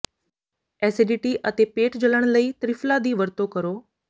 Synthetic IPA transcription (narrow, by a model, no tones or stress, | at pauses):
ɛːseɖiʈiʔət̪epeːʈd͡ʑələɽ̃ləiːt̪ɾɪflad̪iːʋəɾt̪okəɾoː